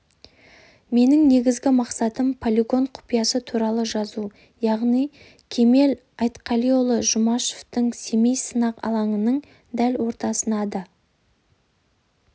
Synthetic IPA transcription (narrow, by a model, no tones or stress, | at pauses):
me̞nɪŋne̞ɡʲɪzɡʲɪmɑqsɑt̪əmpʰolʲiɡo̞ɴqʰʊ̥pijɑsət̪ʰuɾɑlˠəʒɑzu | jɑʁnij | kʲʰe̞me̞l | ɑjt̪qʰɑlijo̞lˠəʒʊmɑʃoft̪əɴse̞mejsənɑqɑ̰lˠɑɴənəɴ | d̪ælwo̞ɾt̪ɑsənɑd̪ə